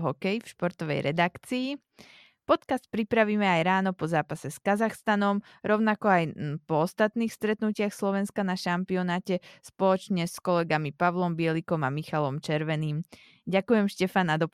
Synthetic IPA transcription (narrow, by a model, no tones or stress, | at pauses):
ɦɔkɛjfʃpɔɾt̪ɔʋɛ̰jɾɛd̪akt͡siː | pɔt̪kast̪̚pɾipɾaʋiːmɛajɾaːnɔpɔzaːpasɛskazaxst̪anɔm | ɾɔʊnakɔajpɔɔst̪at̪niːxst̪ɾɛt̪nucɪaxslɔʋɛnskanaʃampiɔnaːcɛspɔlɔt͡ʃɲɛskɔlɛɡamipaʋlɔmbɪɛlikɔmamixalɔmt͡ʃɛɾʋɛniːm | ɟakujɛmʃcɛfanːad̪ɔ